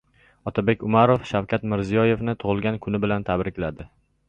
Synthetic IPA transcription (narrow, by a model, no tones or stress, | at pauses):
ɒt̪ʰabe̞kʲʊmaɾofʃawkʲʰat̪mɪɾzijɒje̞fnɪt̪ʰʊʁɨlˠɡʲankʰʊnɪbɪlant̪ʰabɾɪkʲlad̪ɪ